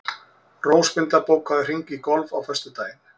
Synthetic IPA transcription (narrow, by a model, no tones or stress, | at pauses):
roːwspɪnt̪lapoːwkhaðʏr̥iŋkikɔlvawfɛst̪ʏt̪aːjɪn